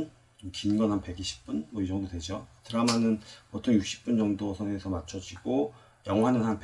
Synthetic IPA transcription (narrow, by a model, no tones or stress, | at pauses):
n | t͡ɕomkinɡʌnɦhanpe̞ɡiɕʰi̥p̚p͈unmʌid͡ʑʌŋdodwe̞d͡ʑotɯɾamanɯnpotʰoŋjuk̚ɕ͈i̥p͈̚und͡ʑʌŋdosʰʌnɦeŋesʰʌmat͡ɕʰʌd͡ʑiɡo | jʌŋwanɯnɦanp